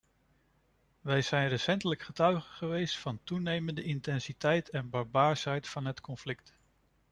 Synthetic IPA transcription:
ʋɛjz̥ɛjnrəsɛntələkχətœɥχəχəʋejstfɑntunejməndəɪntɛnsitɛjtɛnbɑɹbaːɹsɦɛjtfɑnɦətkɔnflɪk̚t

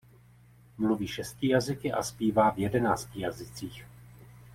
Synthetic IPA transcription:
mluviːʃɛst̪̚ciːjazɪkɪʔa̰spiːvaːvjɛdɛnaːscijazɪt͡siːx

